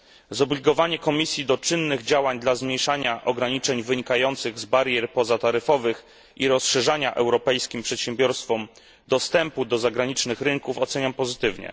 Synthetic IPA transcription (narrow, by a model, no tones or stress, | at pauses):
zɔblʲiɡɔvaɲɛkɔmʲisʲjid̪ɔt͡ʂɘnːɘɣd͡ʑawaɲd̪lazmɲjejʂaɲaʔɔɡɾaɲit͡ʂɛɲvɘɲikajɔnt̪sɘɣzbaɾjɛɾpɔzat̪aɾɘfɔvɘx | ʔiɾɔsʂɛʐaɲaʔɛwɾɔpɛjskʲimpʂɛt̪ɕɛmbʲjɔɾst̪fɔm | d̪ɔst̪ɛmpud̪ɔzaɡɾaɲit͡ʂnɘxɾɘŋkufɔt̪sɛɲampɔzɘt̪ɘvɲɛ̰